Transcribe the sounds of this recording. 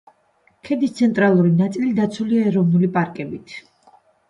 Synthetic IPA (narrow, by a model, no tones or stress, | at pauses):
kʰɛd̪ist̪sʰɛnt̪ʼɾalˠuɾinat̪sʼilid̪at̪sʰuliaɛɾɔvnulipʼaɾkʼɛbit̪ʰ